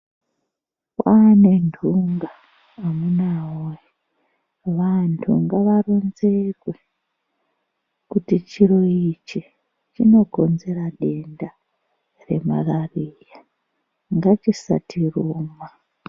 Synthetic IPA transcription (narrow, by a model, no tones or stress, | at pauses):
wane̞ndʰʱuŋɡaː | munaoji | ʋantʰṵŋɡaʋaronzekwe | kutit͡ʃiɾo̞it͡ʃi | t͡ʃino̞ɡʱonze̞ɾaɗe̞nda | re̞ma̰rarija | ŋɡat͡ʃisa̰tʰiruːma